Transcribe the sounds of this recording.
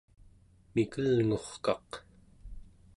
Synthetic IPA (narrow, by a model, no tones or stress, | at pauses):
mikəlŋo̞χkɑq